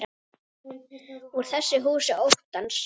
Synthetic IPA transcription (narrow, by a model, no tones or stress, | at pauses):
ɾ | uɾ̥θɛsːɪɦuːsɪʔowht̪ans